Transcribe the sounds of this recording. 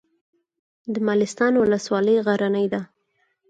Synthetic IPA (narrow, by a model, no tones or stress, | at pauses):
d̪əmalɪst̪ɑnwʊləswɑləjɣaɾanəjd̪a